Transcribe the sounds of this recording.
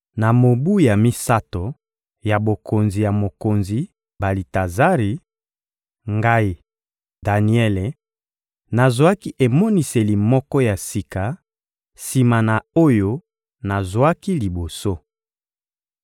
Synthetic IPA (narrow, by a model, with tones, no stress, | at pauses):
na˨mo˨bu˦ja˨mi˦sa˦to˨ | ja˨bo˨ko˨nzi˨ja˨mo˨ko˨nzi˨ | ba˨li˨ta˨za˦ʁi˨ | ŋɡa˦i˨ | da˨ni˨˦ɛ˦le˨ | na˨zwa˦ki˦ʔe˨mo˦ni˨se˨li˨mɔ˦kɔ˦ja˨si˨ka˨ | si˨ma˨na˨o˦jo˦ | na˨zwa˦ki˦li˨bo˨so˦